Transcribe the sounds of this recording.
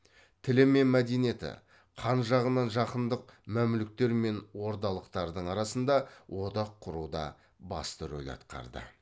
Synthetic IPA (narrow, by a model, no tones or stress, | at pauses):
t̪ʰɪlɪme̞nmæd̪e̞nije̞t̪ɪ̰ | qʰɑnʒɑʁənɑnʒɑqənd̪əq̚mæmlɪk̚t̪e̞ɾme̞nwo̞ɾd̪ɑlˠəqt̪ɑɾd̪əɴɑɾɑsənd̪ɑwo̞d̪ɑqʰːʊɾud̪ɑ̰ | bɑ̰st̪əɾo̰lʲɑ̰t̪qɑ̰ɾd̪ə̰